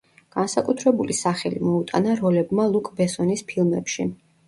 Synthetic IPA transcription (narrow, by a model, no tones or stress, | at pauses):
ɡ̥ansakʼut̪ʰɾɛbulisaχɛlimɔut̪ʼanaɾɔlɛbmalˠukʼbɛsɔnispʰilˠmɛ̰pʃi